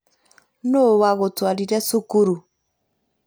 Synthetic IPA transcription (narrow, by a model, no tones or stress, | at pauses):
nowaɣotwaliɾɛsukuɾu